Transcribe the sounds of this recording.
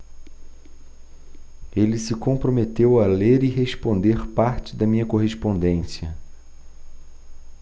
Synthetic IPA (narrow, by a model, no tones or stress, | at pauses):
elɪsɪkõmpɾomet̪ewɐleɾɪɦespõnd̪eɾpaɾt͡ʃɪd̪ɐmĩɲɐkoɦeʃpõnd̪ẽsiɐ